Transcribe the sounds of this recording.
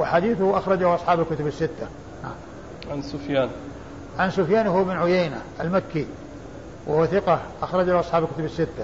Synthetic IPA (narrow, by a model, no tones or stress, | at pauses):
wɪħad̪iːθʊhʔɑxɾˤɑd͡ʒahʔɑsˤħɑːbalkʊt̪ʊbasːɪt̪ːa | na̰ | ʕansʊfjaːn | ʕansʊfjaːnhʊːbɪnʕʊjejnaʔalmakːi | wɪhʊwθɪqɑʔɑxɾˤɑd͡ʒaʔɑsˤħɑːbalkʊt̪ʊbɪsːɪt̪ːa